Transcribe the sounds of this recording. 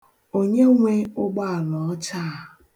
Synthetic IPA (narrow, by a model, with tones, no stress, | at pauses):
o˦ɲe˦ŋʷe˦ʊ˦ɡ͡ba˦a˨lɔ˨ɔ˦t͡ʃa˦˨